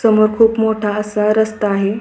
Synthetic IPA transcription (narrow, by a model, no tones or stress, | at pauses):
səmoɾkʰuːpmoʈʰaəsaɾəst̪aːɦe